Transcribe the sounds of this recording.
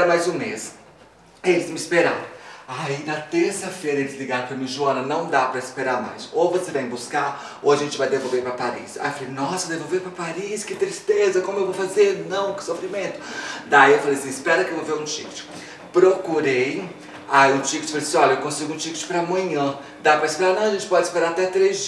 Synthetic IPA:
ɾɐmajzũmes | elɪzmɪispeɾa̰ɾõwainɐt̪eɾsɐfejɾɐelɪzliɡaɾõpɾɐmĩɐʒuɐ̃nɐnɐ̃w̃d̪apɾɐispeɾaɾma̰jsowvosevãj̃buskaɾ | owaʒẽnt͡ʃɪvajd̪evowveɾpɾɐpaɾḭsa̰jiefalejnɔsɐd̪evowvepɾɐpaɾiskɪt̪ɾist̪ezɐkõmʊewvowfazeɾnɐ̃w̃kɪ̥sofɾimẽnt̪ʊ̥d̪aiewfalejasĩɪspɛɾɐkɪewvowveɾũt͡ʃḭkɪ̥t͡ʃɪ̥ | pɾokuɾej | aiʊ̃t͡ʃikɪ̥t͡ʃɪ̥falejsĩɔʎɐewkõsiɡʊũt͡ʃikɪt͡ʃɪ̥pɾɐmɐ̃ɲɐ̃ | d̪apɾɐispeɾaɾnɐ̃w̃ɐʒẽnt͡ʃɪ̥pɔd͡ʒɪspeɾaɾat̪ɛt̪ɾezd͡ʒ

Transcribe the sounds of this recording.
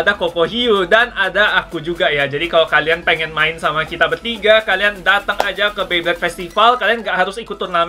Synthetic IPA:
dakopoɦiudanadaːkud͡ʒuɡajad͡ʒadikalakalianpeŋɛnmaɪnsamakit̪abərt̪iɡakaliandat̪aŋad͡ʒakəbeblɛt̪̚fɛst̪ifalkalianɡaʔɦaɾʊsikut̪urnam

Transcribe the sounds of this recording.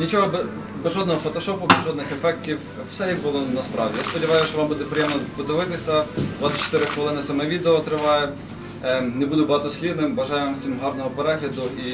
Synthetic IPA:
nʲit͡ʃɔɦɔbɛ | bɛzʒɔd̪nɔɦɔfɔt̪ɔʃɔpʊbɛzʒɔd̪nɪxɛfɛktʲiw | sɛjibʊlˠɔnɐspɾɑ̰ʋwdʲḭjaspɔdʲɪʋɑjʊst͡ʃɔʋɑmbud̪ɛpɾɪjɛmnɔpɔd̪ɪʋɪt̪ɪsʲɐd̪ʋɑt̪ʲɪ̥t͡ʃːɪ̥t̪ɪɾɪxʋɔlˠɪnɪsɐmɛʋʲid̪eɔt̪ɾɪʋɑjɛ | nɛbud̪ʊbɔɦɑt̪ɔsʲlʲid̪nɪmʋɐʒɑjɛʋamsʲimɦɑɾnɔɦɔpeɾɛɦlʲɐd̪ʊʔi

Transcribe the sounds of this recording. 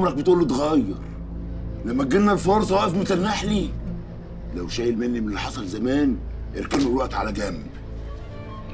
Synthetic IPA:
mlæk̚bet̪ʔuːlːit̪ɣæjːɑ̰ɾˤ | læmːæɡenːælfoɾsˤɑwæʔefmet̪ælnːaħli | læwʃæːjelmenːimlːħɑsˤɑlzæmæːnʔeɾkælmælwæʔt̪ʕa̰læɡæm

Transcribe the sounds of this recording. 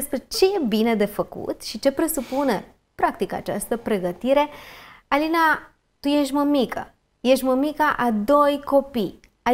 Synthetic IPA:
spɾe̞t͡ʃe̞jebined̪e̞fəkṵt̪ʃit͡ʃe̞pɾe̞supune | pɾak̚t̪ika̰t͡ʃa̰st̪əpɾe̞ɡət̪iɾe̞alina | t̪ujeʃt̪ʲməmikə̰ | jeʃt̪ʲməmikaʔad̪o̞jko̞pij | a

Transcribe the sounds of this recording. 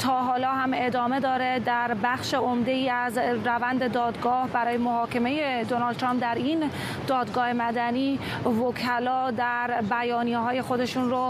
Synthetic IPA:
t̪ʰɒːɦɒːlɒːɦæme̞d̪ɒːme̞d̪ɒːɾed̪æɾbæxʃeomd̪e̞iːæzɾævænd̪e̞d̪ɒːd̪ɡɒːhbæɾɒːje̞moɦɒːkʰe̞me̞je̞d̪onɒːld̪ʰɾɑːmp̚d̪æɾin | d̪̥ɒːd̪ɡɒːhe̞mæd̪æniː | vokʰælɒːd̪æɾbæjɒːnijeɦɒːje̞xo̞d̪e̞ʃunɾo

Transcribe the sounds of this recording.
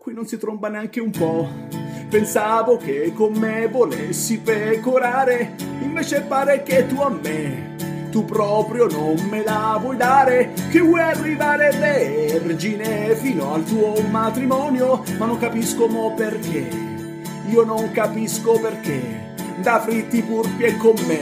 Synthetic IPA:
kwinːonsit̪ɾombaneaŋkeumpɔ | pensaːvok̟ekːomːevolesːipekoɾaːɾeiɱveːt͡ʃepaːɾeket̪ːuamːe | t̪upːɾɔːpɾjononmelavwɔjd̪aːɾekevɔjarːivaːɾeleɛrd͡ʒinefiːnoalt̪uːomat̪ɾimɔːnjomanːoŋkapiskomɔperk̟e | iːonoŋkapiskoperk̟e | d̪afɾit̪ːipurpjekːomːe

